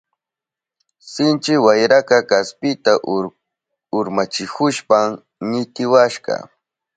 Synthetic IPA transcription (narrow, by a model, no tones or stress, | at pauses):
sɪnt͡ʃɪwajɾakakaspɪt̪aʔ | ʊɾmat͡ʃɪkʊʃpa | ɲɪt̪ɪwaʃɢɑ̰